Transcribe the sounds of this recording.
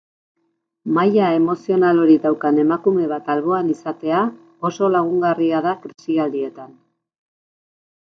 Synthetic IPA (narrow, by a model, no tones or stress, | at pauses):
majae̞mo̞sio̞nalo̞ɾiðawkane̞makume̞β̞at̪alβo̞anisat̪e̞a | o̞so̞laɣ̞uŋɡariaðakɾisiald̪ie̞t̪an